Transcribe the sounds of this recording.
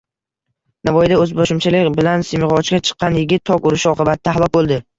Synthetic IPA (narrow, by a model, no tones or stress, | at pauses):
navɒjɪd̪aɵzboʃɪmt͡ʃʰalɪkʲbɪlansɪmɪʁɒt͡ʃɡʲat͡ʃʰɨ̥qʰːɑnjɪɡʲɪt̪ʰːɒkʲʊɾɪʃɪɒqʰɨbat̪ʰɪd̪ahlˠɒk̚bolˠd̪ɪ